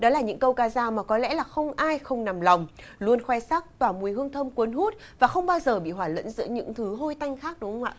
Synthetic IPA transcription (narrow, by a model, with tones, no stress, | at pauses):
ɗɔ˨˦laː˨˩ɲɨ̰˧˥ŋkə˧wkaː˧zaː˧wmaː˨˩kɔ˨˦lɛ̰˧˥laː˨˩xə˧wŋ͡mʔaː˧jxə˧wŋ͡mna˨˩mla˨˩wŋ͡m | lu˧ənxwɛ˧jsaː˦˥k̚t̪waː˧˩mu˨˩jhɨ˧əŋt̪ʰə˧mkwə˨˦nɦu˦˥t̚ | vaː˨˩xə˧wŋ͡mɓaː˧wzəː˨˩ɓḭ˧˨ɦwaː˧˩lə̰˧˥nzɨ̰˧˥əɲɨ̰˧˥ŋt̪ʰɨ˨˦ɦo˧jt̪a˧jŋ̟xaː˦˥k̚ɗʊ˨˦ŋ͡mə˧wʔa̰ː˧˨